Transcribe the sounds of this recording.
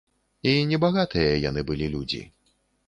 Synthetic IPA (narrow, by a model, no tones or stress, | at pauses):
inʲɛbaɣat̪ɨjɐja̰nɨbɨlʲilʲud͡zʲḭ